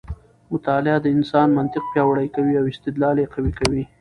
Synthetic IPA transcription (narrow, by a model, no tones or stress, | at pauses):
mʊt̪ɑlɪad̪əɪnsɑnmant̪ɪq̚pjɑwaɽajkawiawɪst̪ɪd̪lɑljeqawikawi